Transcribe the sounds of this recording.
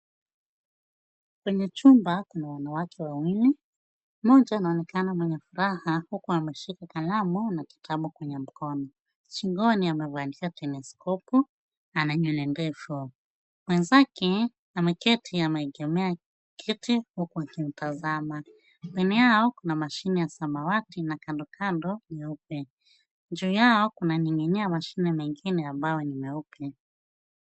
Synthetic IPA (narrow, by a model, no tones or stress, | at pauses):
kwɛɲɛt͡ʃumbakunawanawakʰɛwawili | mɔd͡ʒanaɔnɛkanamwɛɲɛfuɾahahukuamɛʃikakalamunaki̥tʰaɓukwɛɲɛm̩kɔnɔ | t͡ʃiŋɡɔniamɛvankiatɛnɛskɔpu | anaɲunɛndɛfu | mwɛnzakɛ | amɛkɛtʰiamɛɛɡɛmɛa | kʰitihukuakim̩tazama | kɛniaɔkunamaʃinɛjasamawatinakandɔkandɔnɛupɛ | d͡ʒuːjaɔkunaniŋɛniamaʃinɛmɛŋɡinɛambajɔnimɛupɛ